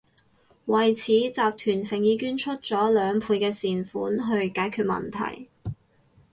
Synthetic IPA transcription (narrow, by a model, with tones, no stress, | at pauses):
wɐ˨˩jt͡sʰiː˨˥t͡saː˨p̚t̪ʰyː˨˩nsɪ˨˩ŋjiː˨˧kyː˥nt͡ʃʰɵ˥t̚t͡sɔː˨˥lœː˨˧ŋpʰuː˨˧jkɛː˧siː˨nfṵː˨˥nɦɵ˧ɥkaː˨˥jkʰyː˧t̚mɐ̰˨˩nt̪ʰɐ̰˨˩j